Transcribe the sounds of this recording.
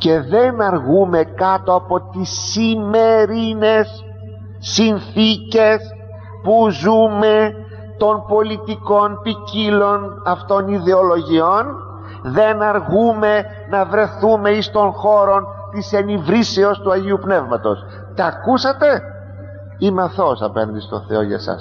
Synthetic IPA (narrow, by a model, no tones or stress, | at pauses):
ce̞ðe̞nɐɾɣume̞kɐt̪o̞ɐpo̞t̪isːime̞ɾine̞sː | inθice̞s | puzume̞ | t̪o̞npo̞lit̪iko̞npicilo̞nɐft̪o̞niðe̞o̞lo̞ʝio̞n | ðe̞nɐɾɣume̞ | nɐvɾe̞θume̞ist̪o̞nxo̞ɾo̞n | t̪ise̞nivɾiseo̞st̪uɐʝiupne̞vmɐt̪o̞̰s | t̪ɐkusɐt̪e̞ | imɐθo̞sɐ̰pḛnd̪ist̪o̞̰θe̞o̰ʝɐ̰sɐ̰s